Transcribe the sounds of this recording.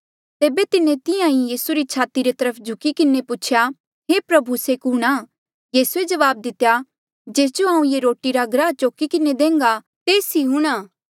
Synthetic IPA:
t̪eːbet̪ɪnẽt̪ɪjãĩjiːsuɾit͡ʃʰaːt̪iɾet̪ɐɾəpʰd͡ʒʱʊkikɪnːepʊt͡ʃʰja | ɦeːpɾɐbʱuseːkuːɽ̃aː | jiːsued͡ʒɐʋaːb̚d̪ɪt̪ːja | d͡ʒeːs̬d͡ʒoɦaːũjeɾoːʈiɾaɡɾaːt͡ʃoːkikɪned̪ẽːŋɡa | t̪eːsiɦʊɽ̃aː

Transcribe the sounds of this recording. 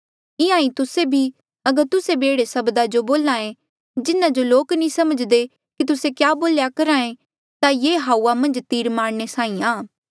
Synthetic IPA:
ɪãːĩt̪ʊsebʱi | ɐɡəɾt̪ʊsebeːɽesɐbd̪ad͡ʒoboːlaːẽ | d͡ʒɪnãd͡ʒoloːknĩsɐməd͡ʒd̪e | kit̪ʊsekjaːboːljakɐɾaːẽ | t̪ajeːɦaːuːamɐ̃nd͡ʒt̪iːɾmaːɽ̃nesaːĩaː

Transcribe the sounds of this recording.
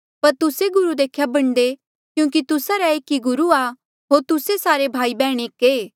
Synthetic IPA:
pɐɾt̪ʊseɡʊɾud̪eːkʰːjabɐɽ̃d̪e | kjũːk̬it̪ʊsaɾɛeːkiɡʊɾua | ɦoːɾt̪ʊsesaːɾebʱaːibɛːɽ̃eːkeː

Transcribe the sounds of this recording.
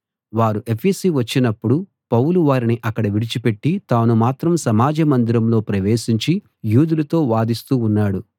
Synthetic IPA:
ʋaːɾuʔe̞pʰeːsiʋɐt͡ʃːinɐpːuɽu | pɐwuluʋaːɾiniʔɐkːɐɽɐʋiɽit͡ʃipe̞ʈːit̪aːnumaːt̪ɾɐmsɐmaːd͡ʒɐmɐnd̪iɾɐmlo̞ːpɾɐʋe̞ːʃiɲt͡ʃi | juːd̪ulɐt̪o̞ːʋaːd̪ist̪uːnːaːɽu

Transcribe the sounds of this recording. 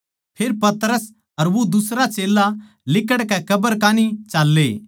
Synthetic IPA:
pʰɪːɾpɐt̪ɾəs | ɐɾʋod̪ʊsɾat͡ʃeːlːa | lɪkəɽkɛkɐbəɾkaːnit͡ʃaːlːe

